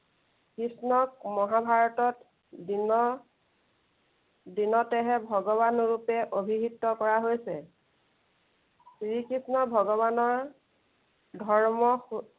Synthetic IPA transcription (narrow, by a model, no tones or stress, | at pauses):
kɹisnɔkmɔɦabʱaɹɔtɔt | dinɔ | dinɔtɛɦɛbʱɔɡɔβanɹupɛʔobʱiɦitːɔkɔɹaɦojsɛ | sɹikɹisnɔbʱɔɡɔβanɔɹ | dʱɔɹmɔx